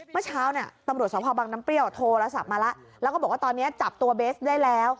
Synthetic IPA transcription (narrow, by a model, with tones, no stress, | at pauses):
mɯ˥˩t͡ɕʰaː˦˥wni˧˥˩ɐt̪a˧mɾu˨˩ət̪̚sɔː˨˦pʰɔː˧baː˧ŋna˦˥mpli˥˩əwt̪ʰoː˧la˧˥sa̰˨˩p̚maː˧la˦˥ʔlɛ˦˥kɔ˥˩bɔ˨˩waː˥˩t̪ɔː˧nːi˦˥ɐt͡ɕa˨˩p̚t̪u˧ɐbeː˦˥sdaː˥˩jlɛː˦˥w